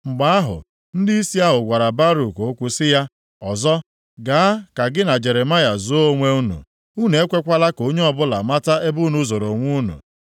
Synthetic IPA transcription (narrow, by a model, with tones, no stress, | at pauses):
ŋ͡m̩˨ɡ͡ba˨a˦ɦʊ̰˨ | n̩˦dɪ˦i˦si˦a˦ɦʊ˨ɡʷa˨ɾa˨ba˦ɾu˨ko˨˦kʷʊ˦sɪ˦ja˦ | ɔ˨zɔ˦ | ɡa˨a˦ka˨ɡɪ˦na˨d͡ʒe˨ɾe˨ma˦ja˨zʊ˨˦o˦ŋʷe˦u˦nṵ˨ | u˦n˨e˦kʷe˦kʷa˦la˦ko˦ɲe˦ɔ˦bʊ˦la̰˨ma˦ta˦e˦bʊ˦nu˦zo˨ɾo˨ŋʷu˦nṵ˨